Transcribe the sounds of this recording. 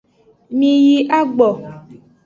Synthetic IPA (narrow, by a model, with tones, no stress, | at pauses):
mĩ˨ji˦ʔa˦ɡ͡bɔ˨